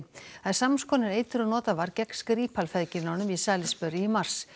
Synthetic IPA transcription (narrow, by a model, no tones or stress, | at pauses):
aðsamskʰɔːnɪɾeːjt̪ʏɾɔnɔːt̪avaɾcɛkskɾiːpʰalfɛðcɪnaːwnʏmisaːlɪspœɾɪimar̥s